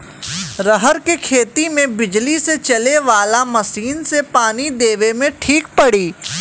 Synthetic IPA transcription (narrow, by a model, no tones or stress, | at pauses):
ɾəɦəɾkekʰeːt̪imẽbɪd͡ʒliset͡ʃɐleʋaːlamɐsiːnsepaːnid̪eːʋemẽʈʰiːkpɐɽiː